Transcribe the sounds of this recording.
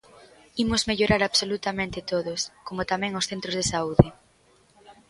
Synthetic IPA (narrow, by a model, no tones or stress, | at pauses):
imozmeʎoɾaɾaβsolut̪amẽnt̪ɪt̪oðoskomot̪amɛ̃ŋosθent̪ɾozðesauðɪ